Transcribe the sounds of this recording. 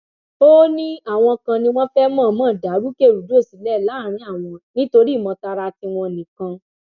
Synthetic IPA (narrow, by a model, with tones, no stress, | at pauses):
o˦nĩ˦a˦˨w̃ɔ̃˧kã˧nĩ˧w̃ɔ̃˦fɛ˦mã˦˨mã˦˨da˨˦ɾu˦ke˦˨ɾu˨do˨˦˨si˨˦lɛ˦˨la˨˦˨ɾ̃ĩ˧˦a˦˨w̃ɔ̃˧nĩ˦to˧ɾi˦˨mɔ̃˧ta˧ɾa˧ti˧w̃ɔ̃˧nĩ˨kã˧